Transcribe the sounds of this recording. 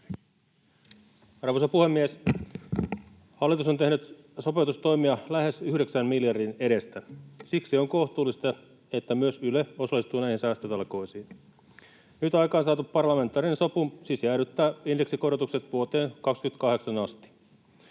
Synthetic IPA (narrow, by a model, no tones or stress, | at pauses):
ɑrʋosɑpuhemːies | hɑlːit̪usont̪e̞hnyt̪ | so̞peut̪ust̪o̞jmiɑlæhe̞syhɾe̞ksænmiljɑrdine̞ɾe̞st̪æsiksioŋkoht̪uːlːist̪ɑ | et̪ːæmyøsyleo̞sɑlːˑist̪uːnæihinsæːst̪øt̪ɑlko̞isiːn | nyt̪ɑjkɑːnsɑːt̪uppɑrlɑme̞nt̪ːˑɑːrinensopusisæːɾyt̪ːæːindeksikorot̪ukset̪ʋuot̪eːnkɑkskyæt̪̚kɑɦe̞ksɑnɑst̪i̥